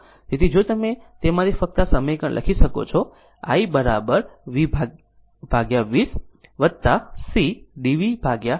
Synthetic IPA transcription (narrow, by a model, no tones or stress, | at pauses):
d͡ʒ̪et̪ʰid͡ʒot̪əmet̪emaɾifək̚t̪asəməjkəɳlʔə̰kʰiʃəko̰t͡ʃʰo | a̰ibəɾa̰bəɾʋibʱa | b̥ʱaɡjaʋis | ʋət̪ːasiɖiʋibʱaɡja